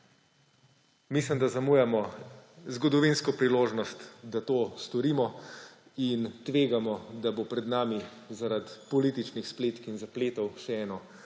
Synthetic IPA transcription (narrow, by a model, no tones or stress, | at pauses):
misləmd̪azamuːjamɔzɡɔd̪ɔʋinskɔpɾiloːʒnɔst̪d̪at̪oːst̪ɔɾimɔ | int̪ʋeːɡamɔd̪abopɾɛd̪naːmi | zaɾat̪pɔliːt̪it͡ʃnixspleːt̪kinzapleːt̪ɔwʃɛɛːnɔ